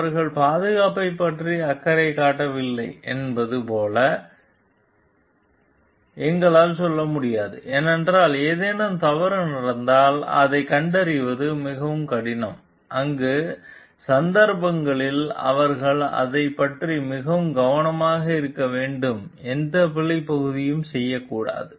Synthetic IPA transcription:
ɐɾɣɐɭpaːðɯɣaːpɐɪpːɐʈriɐkːɐɾɐɪkːaːʈːɐʋɪlːɐɪʔɛ̰nbɐðɯpoːlɐ | ɛŋɡɐɭaːlsɔlːɐmʊɽɪjaːðɯ̰ʔeːnɛndraːleːðeːnɐmt̪ɐʋɐɾɯnɪɾɐnd̪aːlɐ̰ðɐɪkɐɳɖɐɾɪʋɐðɯmɪɣɐʋɯmkɐɽɪnɐm | ʔɐŋɡeː | sɐnd̪ɐɾpɐŋɡɐɭɪlɐ̰ʋɐɾɣɐɭɐ̰ðɐɪpːɐʈrimɪɣɐʋɯmɡɐʋɐnɐmaːɣɐɪɾɯkːɐʋeːɳɖɯmɛnd̪ɐpɪɭːɐɪpːɐɣɯðɪjɯmsɛjːɐkːuːɽa̰ːðɯ

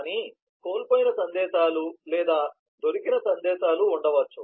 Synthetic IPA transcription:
ni | ko̞ːlpoːjinɐsɐnd̪ɛːʃaːlulɛːd̪aː | d̪o̞ɾikinɐsɐnd̪ɛːʃaːluːɳɖɐʋɐt͡ʃːu

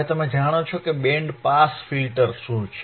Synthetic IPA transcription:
et̪əmẽd͡ʒʱaɽ̃ot͡ʃʰokeɓẽɳɖpasfilʈəɾʃũt͡ʃʰ

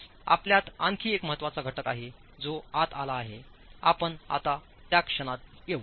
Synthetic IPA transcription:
a̰pljat̪aŋkʰiːekməɦət̪ːʋat͡saɡʱəʈəkaɦe | d͡zoat̪ʰalaːɦe | apəɳa̰t̪a | t̪jakʂəɽ̃at̪̚jeʋ

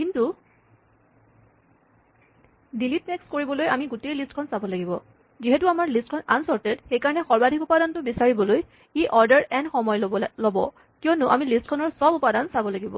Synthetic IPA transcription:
kintu | dilitnekskoɹibɔlojamiɡutejlistkʰɔnsabɔlaɡibɔ | ziɦɛtuamaɹlistkʰɔnansɔɹtɛdxejkaɹɔnɛxɔɹbadʱikupadantʊbisaɹibɔloj | iʔɔɹdɛɹɛnxɔmɔjlɔbɔ̰ | kijɔnʊʔamilist̚kʰɔnɔɹsɔbupadansabɔlaɡibɔ̰

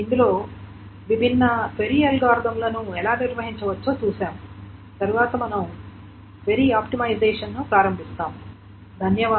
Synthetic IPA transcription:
ind̪ulo̞ː | ʋibʱinːɐt̪ʋeɾijɐlɡaːɾd̪ɐmlɐnuɛlaːniɾʋɐɦiɲt͡ʃɐʋɐt͡ʃːoːt͡ʃuːsaːmu | t̪ɐɾuʋaːt̪ɐmɐnɐm | ʋeɾiːaːpʈimɐjd͡ʒeːʂɐnːupɾaːɾɐmbʱist̪aːmu | d̪ʱɐnjɐʋaː

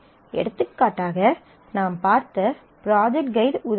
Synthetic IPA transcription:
ʔɛ̰ɽɯt̪ːɯkːaːʈːaːɣɐ | naːmpaːɾt̪ɐ | pɪɾaːd͡ʒɛk̚ʈ̚ɡɐɪðʊð

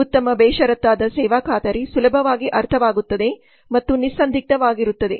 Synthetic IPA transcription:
ut̪ːɐmɐbɛːʃɐɾɐt̪ːaːd̪ɐsɛːʋaːkʰaːt̪ɐɾisulɐbʱɐʋaːɡiʔɐɾt̪ʰɐʋaːɡut̪ːɐd̪e̞ | mɐt̪ːunisːɐnd̪ʱik̚t̪ɐʋaːɡiɾut̪ːɐd̪e̞̰

